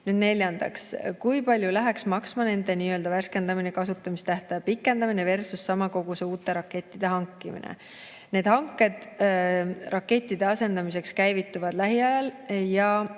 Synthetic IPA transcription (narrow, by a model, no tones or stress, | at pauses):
nyd̪ne̞lʲjɑnd̪̥ɑ̰kskujpɑlʲjulæɦeksmɑksmɑne̞nd̪̥e̞niːø̞ld̪̥ɑværske̞nd̪̥ɑminekɑsut̪ˑːɑmist̪æht̪ɑjɑpikːˑe̞nd̪ɑmineve̞rsusːɑmɑko̞ɡ̥useuːt̪ˑːe̞ɾɑkːe̞t̪ːid̪̥e̞ɦɑŋkːimḭnḛ | ne̞ːd̪̥hɑŋkːˑe̞d̪̥ | rɑkːe̞t̪ʲːˑid̪̥e̞ɑse̞nd̪ɑmis̬e̞kskæjvit̪ːˑuvɑd̪̥læɦiɑjɑljɑ